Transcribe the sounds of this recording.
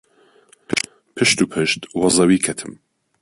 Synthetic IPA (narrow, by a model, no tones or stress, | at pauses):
pʰɨʃt̪upʰɨʃt̪wɑzɑwiːkʰɛt̪ʰɨm